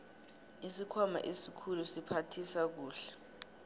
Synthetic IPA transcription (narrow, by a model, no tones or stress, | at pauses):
isikʰɔma̰ʔesikʰulusipʰatʰisak̬uːɬɛ